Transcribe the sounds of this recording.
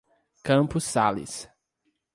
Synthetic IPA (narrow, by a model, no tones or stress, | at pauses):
kɐ̃mpʊsalɪ̰s